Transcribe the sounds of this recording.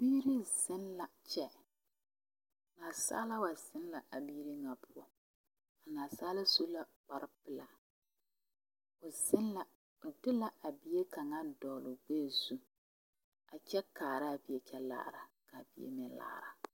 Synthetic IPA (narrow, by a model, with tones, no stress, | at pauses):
biː˦ɾi˦z̥ɪ˦nla˨t͡ʃɛ˦ | naː˨sa̰˦la˦wa˨z̥ɪ˦nla˨ʔa˨biː˦ɾi˦ŋa˨pʰʊ˦ɔ˦ | a˨naː˨saː˦la˦so˦la˨k͡pa˨ɾɪ˦pɪ˨la˨ | ʊ˨zɪ˦nla˨ | ʊ˨dɪ˦la˨ʔa˨bɪ˦e˦ka˨ŋa˦dɔː˨lʊ˨ɡ͡beː˦˨zu˦ | a˨t͡ʃɛ˦kaː˨ɾa˦˨bi˨e˨t͡ʃɛ˦la̰ː˦ɾa˨ka˨bi˨jḛ˦mɪ˨n˦la̰ː˦ɾa˨